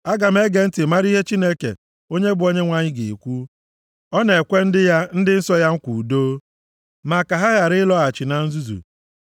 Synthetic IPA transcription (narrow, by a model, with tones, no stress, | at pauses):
a˦ɡa˨m̩˦e˦ɡe˨n̩˦tɪ˨ma˦ɾi˦ɦe˦t͡ʃi˦ne˦kḛ˨ | o˦ɲe˦bʊ˨o˦ɲe˦ŋʷa˨ɲɪ˦ɡe˨kʷu˦ | ɔ˦ne˨kʷe˦n̩˦dɪ˦ja˦n̩˦dɪ˦n̩˦sɔ˦ja˦ŋ̩˦kʷu˨doː˦ | ma˨ka˨ɦa˦ɣa˨ɾɪ˦lɔ˦a˨t͡ʃɪ˨na˨n̩˦zu˦zṵ˨